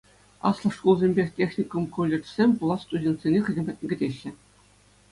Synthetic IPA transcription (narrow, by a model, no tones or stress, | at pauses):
ɑ̰slˠɤ̆ʂkulˠzʲemʲbʲexʲtʲexʲnʲikŏmkulʲːɘ̆rt͡ɕsʲemʲpulˠɑst̪udʲent̪ʲsʲenʲexɘ̆zʲemʲpɑt̚ʲnʲĕɡʲɘ̆dʲeɕːɘ̆